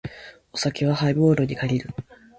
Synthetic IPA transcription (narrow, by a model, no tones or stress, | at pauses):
o̞sakʲiβ̞ahaibo̞ːɾoɲ̟ikaɾʲiɾɯ̟